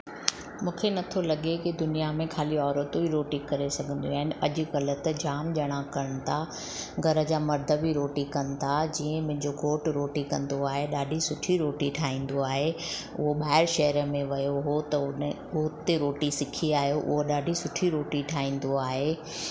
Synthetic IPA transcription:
mũːkʰenɐt̪ʰolɐɠekid̪ʊnijamẽkʰaːliɔːɾət̪obʱiɾoːʈikɐɾesɐɡʱə̃n̆d̪iaːɦɪnɐʄʊ̆ɣɐlə̆t̪ɐd͡ʑaːmʄɐɽ̃ãkɐɾəɽ̃ɪ̆t̪ʰa | ɡʱɐɾə̆d͡ʑaːmɐɾd̪ʱəbʱiɾoːʈikɐnɪ̆t̪ʰad͡ʑiːə̃mʊ̃ɦɪ̃ɲd͡ʑoɡʱoːʈɾoːʈikɐ̃nd̪oaːɦeɗaːɖʱisʊʈʰiɾoːʈiʈʰaːĩːn̆d̪oaːɦe | ʊɦoɓaːɦɪɾʃɐɦəɾəmẽʋɐjoɦot̪ɐʊn | uːt̪ːeɾoːʈisɪkʰiaːɦijoʔʊ̰ɦoɗaːɖʱisʊʈʰiɾoːʈiʈʰaːĩːn̆d̪oaːɦe

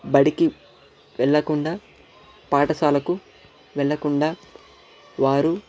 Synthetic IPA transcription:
bɐɽiki | ʋɛɭːɐkuɳɖaː | paːʈɐsaːlɐku | ʋɛɭːɐkuɳɖaː | ʋaːɾu

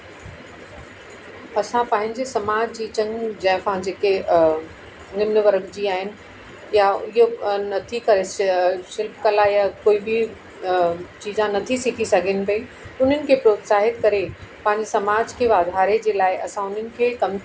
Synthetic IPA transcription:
ɐsãpɐ̃ɦɪ̃ɲd͡ʑesɐmaːd͡ʑd͡ʑiːt͡ɕɐ̃ŋɡd͡ʑɐ̃ɦɪ̃pɐɦɪ̃ɲd͡ʑeke | ɐŋɪməʋɐɾəɡd͡ʑiaːɦɪnɪ̆ | jaɪɦonɐt̪ʰikɐɾeʃɪlpkɐlajakoːibʱi | t͡ɕiːzãnɐt̪ʰisɪkʰisɐɡʱɪnɪ̆pɐi | ʊn̤ənɪ̆kʰepɾoːt̪saːɦɪt̪kɐɾepɐ̃ɦɪ̃ɲd͡ʑesɐmaːd͡ʑkʰeːʋaːd̪ʱaːɾed͡ʑeːlaːɪʔɐsãʊn̤ənɪ̆kʰeːkɐm

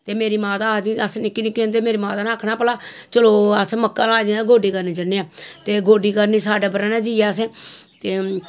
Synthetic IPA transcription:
t̪eːmeːɾiːmaːt̪aːd̪iːəsnɪkːiːnɪkːind̪eːmeːɾiːmaːt̪aːnãːkʰnaːpəlaːt͡ʃəloːəsməkːaːlaːid̪eɡoːɖiːkəɾniːd͡ʒəneaːt̪eːɡʱoːɖiːkəɾniːsaːɖaːbəɾãːnãːd͡ʒiːaːəs̬ẽːt̪eː

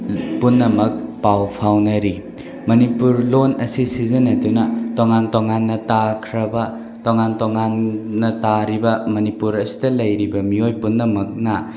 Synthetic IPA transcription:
punːɐmɐk̚pawpʰawnɐɾi | mɐnipuɾlonɐsisizɐnɐdunɐtoŋantoŋanːɐtakʰɾɐbɐ | toŋantoŋanːɐtaɾibɐmɐnipuɾɐsi̥dɐlɐjɾibɐmiojpunːɐmɐk̚nɐ

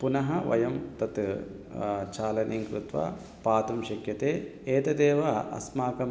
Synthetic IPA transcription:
punɐɦɐʋɐ̰jɐmt̪ɐt̪ | t͡ʃaːlɐnʔiːŋkɾut̪ʋa̰ː | paːt̪ɐmʃɐkjɐt̪eːeːt̪ɐd̪eːʋɐɐ̰smaːkɐm

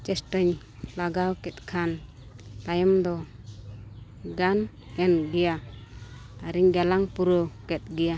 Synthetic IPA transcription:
t͡ʃɛsʈəɲ | laɡawkɛt̪̚kʰan | t̪ajɔmd̪ɔ | ɡan | ɛnɡɛja | aɾiŋɡalaŋpuɾɔkɛt̪̚ɡɛja

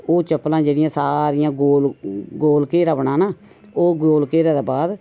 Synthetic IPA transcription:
oːt͡ʃəpːlãːd͡ʒeːɽɪjãːsaːɾɪjãːɡoːlɡoːlkeːɾabɳãːnaː | oːɡoːlkeːɾãːd̪aːbaːd̪

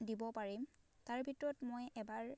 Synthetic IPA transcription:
dibɔpaɹim | taɹbʱitɔɹɔtmojɛbaɹ

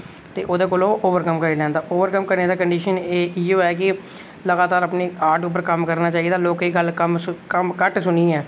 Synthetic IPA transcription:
t̪ḛːʔoːd̪eːkoːloːʔoːʋəɾkəmkəɾiːlɛːnd̪aːʔoːʋəɾkəmkəɾneːd̪aːkəɳɖiːʃəneːɪoːɛːk̬ɪ | ləɡaːt̪aːɾapneːaːɾʈʊp̬ːəɾkəmkəɾnaːt͡ʃaːiːd̪aːloːkɦiːɡəlkəmkəmkəʈsʊnĩːɛː

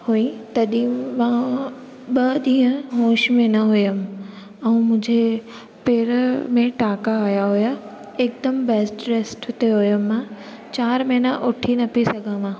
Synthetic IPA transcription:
huĩt̪ɐɗĩmãː | ɓɐd̪ĩːə̃ɦõːʃmẽnɐɦʊjəm̆ | ɛ̃ːmʊ̃ɦd͡ʑʱe | peːɾmẽʈaːkaːɦjaɦʊja | ɪk̚d̪əmbɛːsʈɾeːsʈʊt̪eɦʊjəmːã | t͡ɕaːɾmɐːnaʔʊʈʰinɐpisɐɡʱə̃mãː

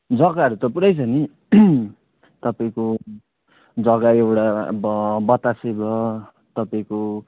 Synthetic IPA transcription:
d͡zʌɡaɦʌɾut̪ʌpuɾajt͡sʰʌni | t̪ʌpaĩko | d͡zʌɡaewʈabbʌt̪asebʱʌ | t̪ʌpaĩko

